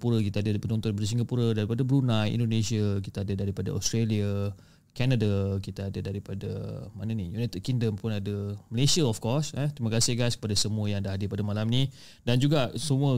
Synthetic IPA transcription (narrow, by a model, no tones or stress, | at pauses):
puɾəkit̪aadapənɔnt̪ɔnipadas̬iŋɡapuɾədaɾipadabəɾunãjḭndonẽsiakit̪aadadaɾipada̰ɔ̰st̪ɾelia | kanadakit̪aːdədaɾipadə̰manənijunat̪əd̚kiŋdəmpʊnadəməlesiaɔfkɔsɛt̪ɾimakasɪhɡajskə̥padasəmũəjaŋdaɦadɪpadamalamnĩ | dand͡ʒuɡaʔsəmũə